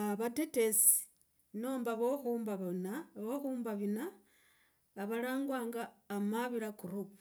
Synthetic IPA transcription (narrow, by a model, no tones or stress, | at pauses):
aβatetesi̥ | noːmbaβoxumbaβnaβoxuːmbaβinaː | βalaːŋɡwaːŋɡaːmaβiɾakuɾuu